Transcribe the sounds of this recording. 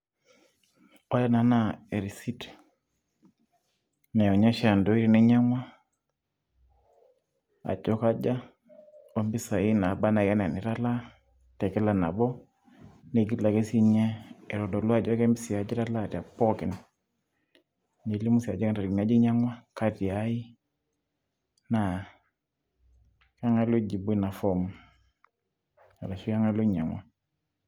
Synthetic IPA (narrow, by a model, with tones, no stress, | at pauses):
ɔ˦ja˦na˨˦na˦˨e˨ɾi˨si˦t | nɛ˨jɔ˨ɲa˦ʃa˨ndɔ˦i˦ɾi˨nɛ˦ɲa˦ŋwa˦ | a̰˨d͡ʒɔ˦ka˦d͡ʒa˦ | ɔ˦mbi˦sa˨i˦na˨ba˦na˨a˦na˨ni˨ɾa˦la˦ | tɛ˨kɛ˦la˦na̰˨bɔ˦ | ne˨ɡi˦tla˨ke˦si˦ɲɛ˦ɛ˨ɾɔ˨do˨lu˦a˦˨d͡ʒɔ˦kɛ˦mbi˦si˨a˨d͡ʒi˦ɾa˦la˦˨ti˨a˨pɔ˦ki˨n | ne˨li˦mu˦si˨a˨d͡ʒa˦knta˨ɾɡn˨a˦d͡ʒi˦ɲa˦ŋwa˦ka˦ti˨a˦i˦ | na˨ | ka˦ŋa˦lo˦d͡ʒi˨be˦na˨fɔ˦m | a˨ɾa˨ʃu˦ja˦ŋa˦lo˦ɲa˨ŋwa˦